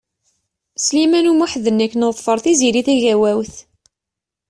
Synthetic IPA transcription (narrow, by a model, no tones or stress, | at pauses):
slimænumuħðənːækːnəðˤfəɾˤθiziɾiθæʝæwæwθ